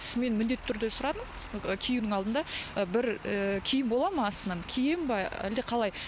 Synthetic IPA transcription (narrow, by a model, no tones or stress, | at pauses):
me̞nmɪnd̪e̞t̪ːɪt̪ʰʏɾd̪e̞sʊɾɑd̪əm | əkʲʰijɪwnɪŋɑlˠd̪ənd̪ɑəbɪɾəkʲʰejɪmbo̞lˠɑməɑst̪ənɑnkʲʰijɪmbɑæ̰ld̪e̞qʰɑlˠɑj